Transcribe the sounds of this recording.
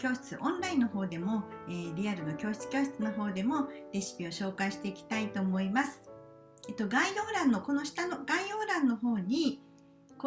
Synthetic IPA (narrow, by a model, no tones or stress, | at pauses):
kʲo̞ːɕi̥t͡sɨʔõ̞nɾaĩnːo̞ɦo̞ːd̪e̞mo̞eːɾʲiaɾɯ̟no̞kʲo̞ːɕi̥t͡sɨ̥kʲo̞ːɕ̬i̥t͡sɨno̞ɦo̞ːd̪e̞mo̞ɾʲe̞ɕi̥pʲio̞ɕo̞ːkaiɕi̥t̪e̞ikʲi̥t̪ait̪o̞ːmo̞imasɨ̥ | et̪o̞ɡaid̪o̞ːɾãnːo̞ko̞no̞ɕi̥t̪ano̞ɡaio̞ːɾãnːo̞ɦo̞ːɲ̟i | ko